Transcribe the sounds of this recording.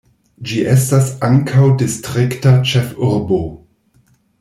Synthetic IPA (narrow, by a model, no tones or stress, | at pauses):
d͡ʒiʔestasaŋkʰawdistʁiktat͡ʃefuɾbo